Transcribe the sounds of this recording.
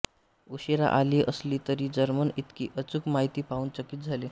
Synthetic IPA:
uɕeɾa̰ʔaliʔəsliːt̪əɾid͡zəɾmənit̪kiʔət͡sukmaɦit̪iːpaunt͡səkit̪̚d͡zʱali

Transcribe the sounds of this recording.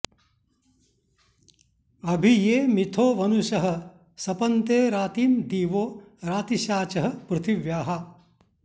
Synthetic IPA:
ɐbʱijeːmit̪ʰoːʋɐnuʃɐɦɐ̆ | sɐpɐnt̪eːɾaːt̪iːmd̪iːʋoː | ɾaːt̪iʃaːt͡ʃɐɦɐ̆pɾɨt̪ʰiʋjaːɦɐ

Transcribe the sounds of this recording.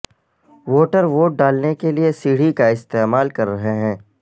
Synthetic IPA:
ʋoːʈəɾʋoːʈ̚ɖaːlnekeliesiːɽ̤ikaɪst̪eːmaːlkɐɾːɐɦeɦɛ̃ː

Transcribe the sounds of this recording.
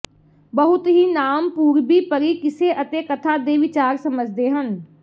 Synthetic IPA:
bəɦʊt̪ɦiːnaːmpuːɾbiːpəɾiːkɪseʔət̪ekət̪ʰad̪eːʋɪt͡ʃaːɾsəməd͡ʒʱd̪eːɦən

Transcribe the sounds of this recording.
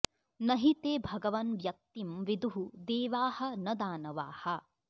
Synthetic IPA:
nɐɦit̪eːbʱɐɡɐʋɐnʋjɐk̚t̪imʋid̪uɦud̪eːʋaːhɐ̆nɐd̪aːnɐʋaːhɐ

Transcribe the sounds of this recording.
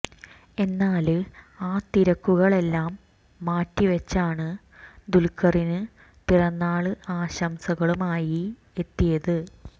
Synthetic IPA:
e̞nːaːl | aːt̪iɾɐkːuɣɐɭe̞lːaːmː | aːtːiʋɐt͡ɕːaːɳɨ | d̪ulkːɐrinɨ | p̪irɐnːaːɭɨʔaːɕɐmsɐɣɐɭumaːji | e̞t̪ːijɐðɨ

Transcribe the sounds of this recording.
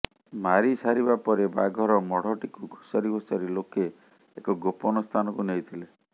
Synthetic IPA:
maɾisaɾibapɔɾeba̰ɡʱɔɾɔmɔɽ̤ɔʈikuɡʱosaɾibʱosɔɾiloke | ekɔɡopɔnɔst̪ʰanɔkunejt̪ʰile

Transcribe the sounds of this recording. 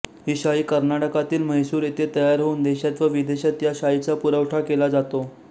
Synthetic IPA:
ɦiɕaiːkəɾnaʈəkat̪iːlməjsuːɾet̪et̪əjaɾɦouːnd̪eɕat̪ʋəʋid̪eɕat̪jaɕait͡sapuɾəwʈʰakelad͡zat̪o

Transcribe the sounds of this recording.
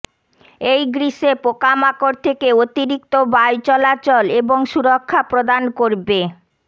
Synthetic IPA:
ejɡɾiʃepokamakoɾt̪ʰekeot̪iɾik̚t̪obajt͡ɕɔlat͡ɕoleboŋʃuɾokʰːapɾod̪ankoɾbe

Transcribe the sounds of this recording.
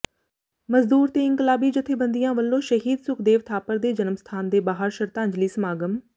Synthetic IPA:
məzd̪uːɾt̪eːɪ̃ŋkəlaːbiːd͡ʒɪt̪ʰːeːbənd̪ijãːʋəlːõːʃəɦiːd̪sʊkʰd̪eːʋt̪ʰaːpəɾd̪eːd͡ʒənmst̪ʰaːnd̪eːbaːɦəɾʃəɾt̪ãːɲd͡ʒliːsəmaːɡəm

